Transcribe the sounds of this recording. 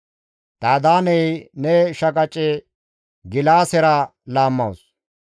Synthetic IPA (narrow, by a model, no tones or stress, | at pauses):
d̪aːd̪aːnɛjnɛʃɐkʼɐt͡ʃʼɛ | ɡɪlaːsɛɾɐlaːmːɐws